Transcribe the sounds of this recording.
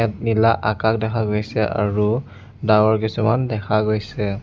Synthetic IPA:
ɛt̚nilaʔakak̚dɛkʰaɡojsɛa̰ɹu | dawɔɹkisumandɛkʰaɡojsɛ

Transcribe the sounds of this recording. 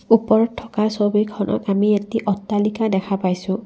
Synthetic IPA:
upɔɹɔtʰːɔkaɹsobikʰɔnʔɔ̰kamietiʔɔtːalikadɛkʰapajsʊ̃

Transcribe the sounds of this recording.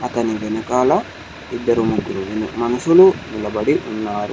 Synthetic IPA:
ɐt̪ɐniʋɛnɐkaːlɐ | id̪ːɐɾumuɡːuluʋnmɐnusulunilɐbɐɽiʔunːaːɾu

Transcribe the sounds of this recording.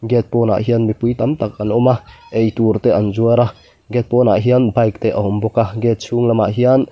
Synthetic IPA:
ɡɛt̪̚pɔːna̰ʔɦiənmipujt̪amt̪ak̚anɔmaʔejt̪urt̪ɛʔɐnzuəɾa | ɡɛt̪̚pɔːnaʔɦiənbɐjk̚t̪ɛʔəɦɔmbɔkaɡɛt̪̚sʰuŋlɐma̰ʔɦian

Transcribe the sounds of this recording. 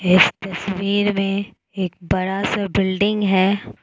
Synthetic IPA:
ɪst̪ɐswiːɾmẽ | eːk̚bɐɽasabɪlɖɪ̃ŋɡɦɛː

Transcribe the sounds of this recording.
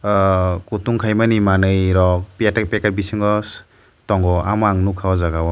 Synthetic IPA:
kutuŋkʰajmanimanɯjɾɔk̚papekaɾbisɯŋɡɔs | tɔŋɡɔamaŋnukʰawɔzaɡawɔ

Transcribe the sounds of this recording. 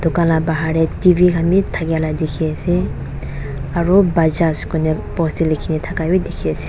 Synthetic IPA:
d̥̪ukanlabaɦaɾɛtibikʰamitʰaɡaladikʰiasɛ | aɾubad͡ʒaskɔnɛpɔstilekʰinɛtʰakabidikʰiasi̥

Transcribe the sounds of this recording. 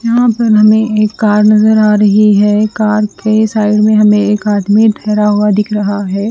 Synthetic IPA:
jɐɦãpɐɾɦɐmẽeːkːaːɾnɐzəɾaːɾɐɦiɦɛːkaːɾkesaːɪɽmẽɦɐmẽeːkaːd̪miʈʰɛːɾaɦuad̪ɪkʰɾɐɦaɦɛː

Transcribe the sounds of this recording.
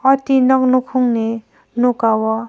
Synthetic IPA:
ʌt̪inɔknukʰuŋne | nukawɔ

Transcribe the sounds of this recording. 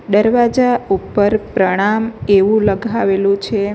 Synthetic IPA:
d̪əɾʋad͡ʒaupəɾpɾəɽ̃ameʋũləɡʱaʋelũt͡ʃʰe

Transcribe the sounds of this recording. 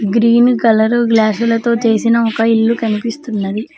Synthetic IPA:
ɡɾiːnkɐlɐɾɡlaːsulɐt̪o̞ːt͡ʃe̞ːsinɐɔkɐilːukɐnipist̪unːɐd̪i

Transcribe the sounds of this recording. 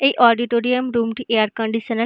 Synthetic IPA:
eʔɔːɖiʈoːɾiəmɾuːmʈiʔeːəɾkɔ̃ɳɖiʃənə

